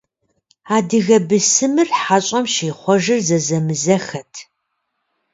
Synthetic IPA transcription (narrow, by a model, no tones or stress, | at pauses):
aːdɨɣɐbɨsɨmɨrħaɕʼɐmʃiːχʷɔʒɨrzɐzɐmɨzɐxɐtʰ